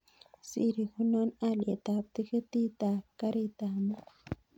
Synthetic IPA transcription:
sḭɾixʊnanalet̪ap̚t̪iket̪it̪akaɾit̪ama

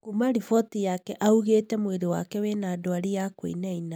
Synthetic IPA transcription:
kumaɾifɔtijakɛʔauɣeːtɛmweɾewakɛwenaːdoaɾijakwḛnaina

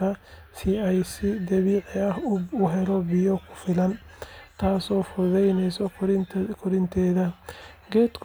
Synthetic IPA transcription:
ɐ | sɪɛjsɪd̪ɐβiːʕɪɐhʊɦɛɾɔbɪjɔkʰʊ̥fɪlɐnt̪ʰaːsɔːfʊðɛjnɛjsɔkʰʊɾɪnt̪ʰɛːðɐɡɛːd̪kʰ

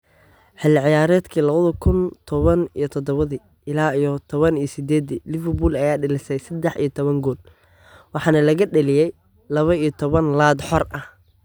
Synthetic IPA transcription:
ħɪlɪʕɪjaːɾɛːd̪kʰiːlɐβɐðɐkʰʊnt̪ʰɔβɐnḭjɔt̪ʰɔd̪ɔβɐði | ɪlaːijɔt̪ʰɔβɐnijɞsɪd̪ɛːd̪ilɪfɛrbuːlɐjaːɖɪlɪsɛjsɛd̪ɛħḭjɞt̪ʰɔβɐŋɡɔːl | wɑħɑːnɐlɐɣɐɖɐlɪjɛj | lɐβɐijɔt̪ʰɔβɐnlaːd̪ħɔrɐh

